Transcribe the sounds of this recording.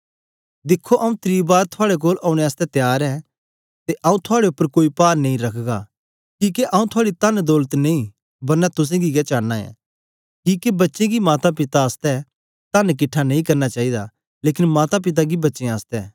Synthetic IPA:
d̪ɪkʰːoʔɐũt̪ɾiːbaːɾt̪ʰʊaːɽek̬oːlaːʊɽ̃eaːst̪ɛt̪jaːɾɛ | t̪eʔɐ̃ːũt̪ʰʊaːɽeʊpːəɾkoːipaːɾnẽĩɾɐkʰɡa | kiːkeʔãːũt̪ʰʊaːɽit̪ɐnd̪ɔːlət̪nẽĩ | bɐɾnɛt̪ʊs̬ẽɡiɡat͡ʃaːnaɛ̰̃ː | kiːkebɐtːʃẽɡimaːt̪apɪt̪aːst̪ɛ | t̪ɐnk̬ɪʈʰːanẽĩkɐɾnat͡ʃaːid̪a | leːkɪnmaːt̪ap̬ɪt̪̬aɡibɐtːʃẽaːst̪ɛː

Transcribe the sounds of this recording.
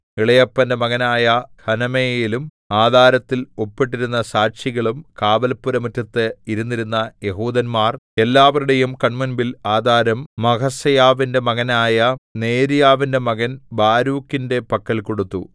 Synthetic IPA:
iɭɐjɐpːɐnde̞mɐɣɐnaːjɐhɐnɐmeːjilum | aːd̪ʱaːɾɐt̪ːilo̞pːiʈ̬ːiɾunːɐsaːɕiɣɐɭumkaːbɐlpːuɾɐmɐtːɐt̪ːɨiɾunːiɾunːɐje̞ɦuːd̪ɐnmaːre̞lːaːʋɐɾuɽe̞jumkɐɳmunbilaːd̪ʱaːɾɐmːɐkɐsɐjaːʋinde̞mɐɣɐnaːjɐne̞ːɾijaːʋinde̞mɐɣɐnbaːɾuːkːinde̞pɐkːɐɭko̞ɽut̪ːṵ

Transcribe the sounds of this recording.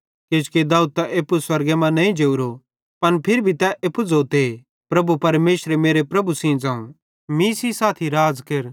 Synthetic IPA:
ket͡ʃked̪aːud̪̚t̪aʔeːpuswɐɾɡemãnɐĩd͡ʒeːuɾo | pɐnpʰɪɾbʱit̪ɛʔepud͡zoːt̪e | pɾɐbupɐɾmeːsɾemeːɾepɾɐbusĩd͡zãːũ | mĩːsisaːt̪ʰiɾaːd͡zkeɾ

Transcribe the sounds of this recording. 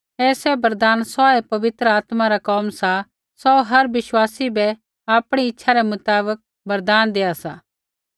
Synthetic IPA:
ɛːsɛbɐɾd̪aːnsɔɛpɐʋɪt̪ɾəaːt̪maɾakɔːmsa | sɔɦɐɾʋɪʃwaːsibɛ | aːpɽ̃iɪtːʃʰaɾɛmʊt̪aːbək̚ | bɐɾd̪aːnd̪eːasaː

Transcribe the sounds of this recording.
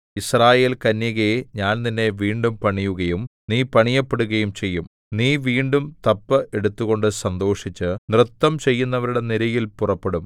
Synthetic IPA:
israːje̞ːlkɐnjɐɣeɲaːnninːe̞ʋiːɳɖumpɐɳijuɣɐjumniːpɐɳijɐpːeɽuɣɐjumt͡ɕe̞jːum | niːʋiːɳɖumt̪ɐpːɨʔeɽut̪ːuɣo̞ɳɖɨsɐnd̪o̞ːʂit͡ɕːɨnrɨt̪ːɐmt͡ɕe̞jːunːɐʋɐɾuɽe̞niɾɐjilpurɐpːe̞ɽum

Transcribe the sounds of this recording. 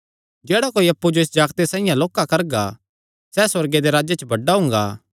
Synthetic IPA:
d͡ʒɛːɽakoːiɐpːud͡ʒoɪs̬d͡ʒaːɡt̪esãːɪ̃jãloːkːakɐɾɡa̰ | sɛsɐɾɡed̪eɾaːd͡ʒet͡ʃəbʱɐɖːaɦʊ̃ŋ̆ɡa̰ː

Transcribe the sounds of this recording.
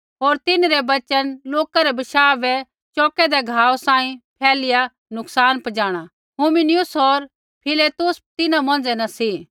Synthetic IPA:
ɦoːɾt̪ɪnɾɛbɐt͡ʃənloːkaɾɛbɪʃaːʋɛ | t͡ʃɔːkɛd̪ɛɡʱaːosãːĩpʰɛːlɪja | nʊksaːnpɐd͡ʒaːɽ̃a | ɦuːmɪnɪjʊsɦoːɾ | pʰɪleːt̪ʊst̪ɪnãmɔ̃ːnd͡zɛnɐsi

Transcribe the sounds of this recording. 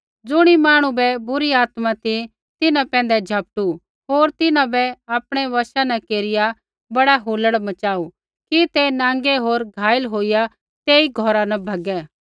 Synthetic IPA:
d͡zʊɽ̃imaːɽ̃ũbɛbʊɾiaːt̪mãt̪i | t̪ɪnãpɛ̃ːnd̪ɛd͡ʒʱɐp̚ʈu | ɦoːɾt̪ɪnãbɛaːpɽ̃eʋɐʃanɛ̃keːɾɪja | bɐɽaɦoːləɽmɐt͡ʃaːu | kit̪enãːŋ̆ɡeɦoːɾɡʱaːjəlɦoːɪja | t̪eːiɡʱɔɾanɐbʱɐɡɛː

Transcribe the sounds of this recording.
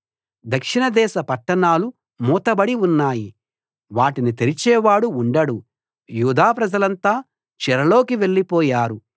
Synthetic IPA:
d̪ɐkʂiɳɐd̪ɛːʃɐpɐʈːɐɳaːlu | muːt̪ɐbɐɽiunːaːji | ʋaːʈinit̪elit͡ʃɛːʋaːɽuːɳɖɐɽu | juːd̪aːpɾɐd͡ʒɐlɐnt̪aː | t͡ʃɛɾɐlo̞ːkiʋe̞ɭːipɔːjaːɾu

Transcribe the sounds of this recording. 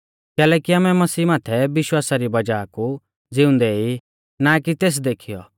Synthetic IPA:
kɛːlɛːkiaːmɛmɐsiːmaːt̪ʰɛbɪʃwaːsaɾibɐd͡ʒaːku | d͡zɪʊ̃nd̪ɛi | nakit̪eːs̬d̪eːkʰijɔ̰

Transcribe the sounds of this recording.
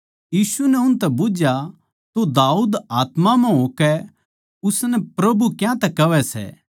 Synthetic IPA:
jiːsunɛʊnt̪ɛbʊd͡ʒja | t̪od̪aːuːd̪aːt̪mãmɛ̃ɦoːkɛ | ʊsnɛpɾɐbukjãt̪ɛkɐʋɛsɛ̰ː

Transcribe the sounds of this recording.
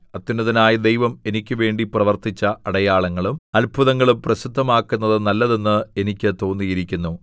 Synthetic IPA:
ɐt̪ːinːɐðinaːjɐd̪ejʋɐme̞nikʲːɨʋe̞ːɳɖiprɐʋɐrt̪it͡ɕːɐɐɽɐjaːɭɐŋːɐɭumɐlbʱuðɐŋːɐɭumprɐsid̪ʱːɐmaːkːunːɐðɨnɐlːɐðenːɨe̞nikʲːɨt̪o̞ːnːijiɾikʲːunːu

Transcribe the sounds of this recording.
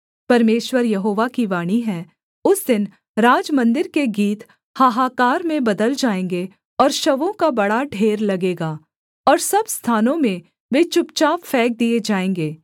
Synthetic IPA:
pɐɾmeːʃwəɾjɐɦoːʋakiʋaːɽ̃iɦɛ̃ː | ʊsd̪ɪn | ɾaːd͡ʒmɐ̃nd̪ɪɾkeɡiːt̪ | haɦaːkaːɾmẽbɐd̪əld͡ʒaːẽːŋɡe | ɔːɾʃɐʋõkabɐɽaɖʱeːɾlɐɡeːɡaː | ɔːɾsɐbst̪ʰaːnõmẽ | ʋet͡ʃʊpt͡ʃaːʋfɛːk̚d̪ied͡ʒaːẽːŋɡeː

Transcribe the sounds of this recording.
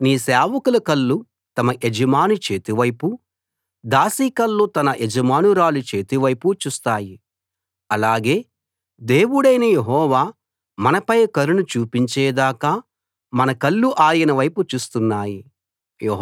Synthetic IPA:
niːsɛːʋɐkulɐkɐlːu | t̪ɐmɐʔed͡ʒɐmaːnut͡ʃe̞ːt̪iʋɐjpu | d̪aːsiːkɐlːoːt̪ɐnɐʔed͡ʒɐmaːnuɾaːlut͡ʃe̞ːt̪iʋɐjput͡ʃuːst̪aːji | ɐlaːɡe̞ː | d̪e̞ːwuɽɐjnɐjeɦɔːʋaː | mɐnɐpɐjkɐɾunut͡ʃuːpiɲt͡ʃɛːd̪aːkaː | mɐnɐkɐlːuʔaːjɐnɐʋɐjput͡ʃuːst̪unːaːji | jeɦ

